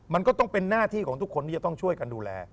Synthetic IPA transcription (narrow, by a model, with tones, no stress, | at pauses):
ma˧nkɔː˥˩t̪ɔ˥˩ŋpe˧nːaː˥˩t̪ʰiː˥˩kʰɔː˩˦ŋt̪u˦˥kʰːo˧nt̪ʰi˥t͡ɕa˩t̪ɔ˥˩ŋt͡ɕʰu˥˩əjka˧nduː˧lɛ̰ː˧